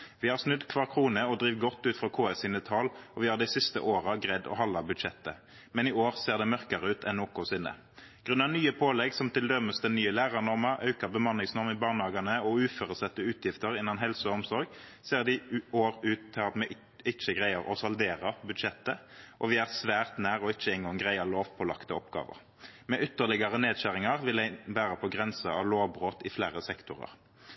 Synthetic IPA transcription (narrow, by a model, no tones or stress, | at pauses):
ʋɪhɑʁsnʉd̪kʰʋɑːʁkʰʁuːnəɔd̪ɾiːʋɡɔt̪ːʉːt̪fʁɑkʰoːɛsɪːnət̪ʰɑlɔʋɪhɑːd̪æɪsɪst̪ə̰ʔoːʁɑɡʁɛd̪ːɔ̰hɑlːɑbʉd̪ʃɛt̪ːə | mɛnɪoːʁseːʁd̪ɛmœʁkəʁəʉːt̪ʰɛnːoːkʊsɪnːə̰ | ɡ̥ʁʉnːɑnyːəpʰoːlɛɡsɔmt̪ɪld̪œməsd̪ɛnyːəlæːʁɑnɔʁməʁɑ̰ʉkəʁbəmɑnɪŋsnɔʁmɪbɑːʁɳəhɑːɡɑnəɔʉːføːɾəsɛt̪ːəʉːt̪ʰjɪft̪əʁɪnːɑnɦɛlsəɔɔmsɔɾɡseːʁd̪ɪoːʁʉːt̪ʰːɪlɑt̪mɛ | ɪt͡ʃːəɡʁæɪəʁɔsɑld̪eːʁəʁbʉd̪ʃɛt̪ːəʔɔʋɪæːʁsʋæːʁt̪næːʁɔɪt͡ʃːəɪŋɡoɔŋɡʁæɪəʁloːʋpʰɔlɑ̰kt̪əɔpɡɑ̰ːʋə̰ʁ | mɛʏt̪ːəʁlɪɡɑʁəneːd̪ɕæʁɪŋɑʁʋɪlæɪbæːʁəpʰɔɡʁɛnsəɑ̰ʋloːʋbʁoːt̪ɪflæːʁəsɛkt̪ʊʁɑ̰ʁ